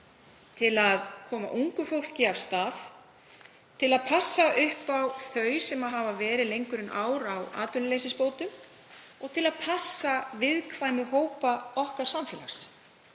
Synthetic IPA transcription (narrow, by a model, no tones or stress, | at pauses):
t̪ʰɪlaðkʰɔːma̰ʔuŋkʏfowl̥cɪav̥st̪aːθ | t̪ʰɪlaðpʰasːaʔʏhpawθœːɥsɛmaðɦaːvavɛːɾɪðlejŋkʏɾɪnʔaːwɾawa̰ːt̪ʏlɪlejsɪspoːwt̪ʏm | ɔɣt̪ʰɪlaðpʰasːavɪðkʰvaːjmɪɦoːwpaɔhkaɾ̥samfɛːla̰xs